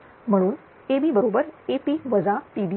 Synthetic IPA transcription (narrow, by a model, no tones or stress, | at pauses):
m̤əɽ̃uːn | ebʱiːbəɾobəɾepiːʋəd͡zapiːd̪i